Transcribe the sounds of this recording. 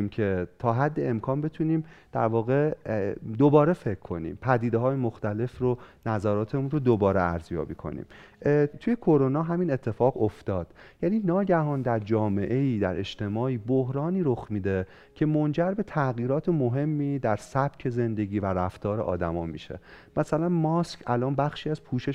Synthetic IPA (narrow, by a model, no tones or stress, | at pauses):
mcʰe̞t̪ʰɒːɦæd̪ːe̞emkʰɒːnbe̞t̪ʰuniːmd̪̥æ̰ɾvɒːɣe̞ | d̪obɒːɾe̞fe̞ckʰːo̞nḭːmpʰæd̪iːd̪eɦɒːjemoxt̪æle̞fronæzæɾɒːt̪ʰe̞munrod̪obɒːɾeæɾzjɒ̰ːbiːkʰo̞̰nḭːmt̪ʰujekʰoɾonɒːɦæmiːnet̪ʰːe̞fɒːɣoft̪ɒːd̪̥jæniːnɒːɟæhɒːnd̪æɾd͡ʒɒːme̞ʔe̞iːd̪æɾe̞ʃt̪ʰe̞mɒːiːbohɾɒːniːɾoxmiːd̪e̞ | cʰe̞mond͡ʒæɾbe̞t̪ʰæɣiːɾɒːt̪ʰemo̞ɦe̞mːiːd̪æɾsæb̥cʰe̞ze̞nd̪e̞ɟiːvæɾæft̪ɒːɾeʔɒ̰ːd̪æmɒ̰ːmḭːʃḛ | mæsælænmɒskʰælɒːnbæxʃiːæzpʰuːʃe̞